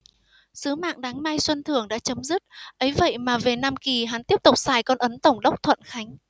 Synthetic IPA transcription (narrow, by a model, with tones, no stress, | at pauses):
sɨ˨˦ma̰ː˧˨ŋɗaː˨˦ŋma˧jswə˧nt̪ʰɨ˧˩əŋɗa̰ː˧˥t͡ɕə˨˦mzɨ˦˥t̚ʔə˨˦jvə̰˧˨jmaː˨˩ve˨˩na˧mki˨˩ɦa˨˦nt̪i˦˥əp̚t̪ʊ˨˩k͡p̚saː˨˩jkɔ˧nʔə˨˦nt̪ə˧˩wŋ͡mɗə˦˥wk͡p̚t̪ʰwə̰˧˨nxa˨˦jŋ̟